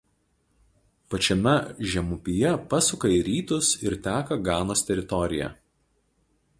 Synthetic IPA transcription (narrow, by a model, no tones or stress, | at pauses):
pɐt͡ʃʲɛmʲɛʒʲɛmʊpʲɪjɛpɐsʊkɐiɾʲiːt̪ʊsɪɾt̪ʲæːkɐɡɑːnoːst̪ʲɛɾʲɪt̪ɔɾʲɪjɛ̰